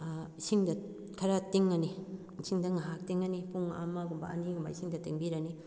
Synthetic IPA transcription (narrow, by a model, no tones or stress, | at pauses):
isiŋdɐ | kʰɐɾatiŋːɐni | siŋdɐŋaɦak̚tiŋːɐnipuŋa̰maɡumbɐ̰ɐ̰niɡumba̰isiŋdɐteŋbiɾani